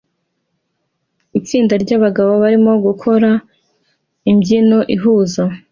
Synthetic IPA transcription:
it͡siːndaɾɟaβaɡaβoβaɾimo̞ɡukʰo̞ɾa | imɟino̞ʔiɦuːza

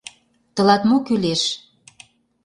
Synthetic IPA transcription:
t̪ɤ̆lɑt̪mokyleʃ

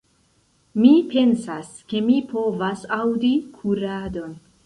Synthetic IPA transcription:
mipe̞nsas | ke̞mipʰo̞vasawdikʰuɾado̞n

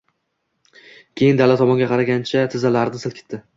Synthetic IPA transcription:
kʲʰe̞jɪnd̪alːat̪ʰɒmɒŋɡʲaqʰɑɾaɡʲant͡ʃʰat̪ʰɪzalaɾnɪsɪlkʲʰɪ̥t̪ːɪ

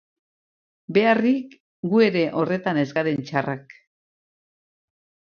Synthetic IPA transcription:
be̞arik | ɡue̞ɾe̞ʔo̞re̞t̪ane̞zɡaɾe̞nt͡ʃarak

